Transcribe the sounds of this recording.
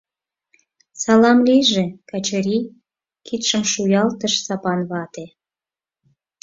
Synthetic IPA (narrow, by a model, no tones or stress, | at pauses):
sɑlɑmliʒĕkɑt͡ɕəɾi | kit̪ʃəmʃujɑlt̪əʃsɑpɑnβɑt̪e